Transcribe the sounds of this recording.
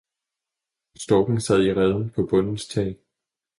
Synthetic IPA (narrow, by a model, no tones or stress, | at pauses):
sd̥ɒ̽ɡ̥nŋ̩sæð̞̰ˠiʁɛð̞ˠn̩pʰɒ̽b̥ɔ̽n̰n̩st͡sʰɛ̰ː